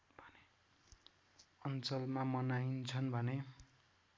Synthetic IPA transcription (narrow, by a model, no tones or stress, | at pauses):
bʱʌne | ʌnt͡sʌlmamʌnaint͡sʰʌnbʱʌne